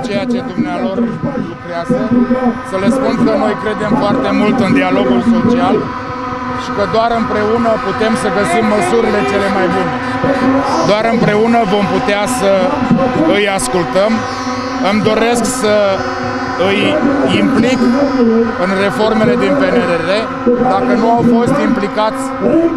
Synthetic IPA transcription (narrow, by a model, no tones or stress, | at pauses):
t͡ʃe̞jat͡ʃe̞d̪umnealo̞rlukɾeazəsəle̞spunkəno̞jkɾe̞d̪e̞mfoart̪e̞mult̪ɨnd̪ialo̞ɡulso̞t͡ʃial | ʃi̥kəd̪oaɾɨmpɾe̞unəput̪e̞msəɡəsimːəsuɾile̞t͡ʃe̞le̞majbune | d̪oaɾɨmpɾe̞unəvo̞mput̪easə | ɨjaskult̪əm | ɨmd̪o̞ɾe̞sksə | ɨjimplik | ɨnre̞fo̞rme̞le̞d̪inpe̞neɾeɾe̞ | d̪akənuawfo̞st̪implikat̪sʲ